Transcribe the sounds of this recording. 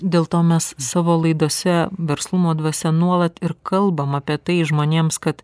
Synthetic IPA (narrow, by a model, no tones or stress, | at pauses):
d̪ʲeːlˠt̪oːmʲɛssɑːʋoːlˠɐɪd̪uːsʲɛʋʲɛɾslˠʊmoːd̪ʋɐsʲɛnuɔlˠɐt̪ɪɾkɐlˠbɐmɐpʲiɛt̪ɐɪʒmoːnʲeːmskɐt̪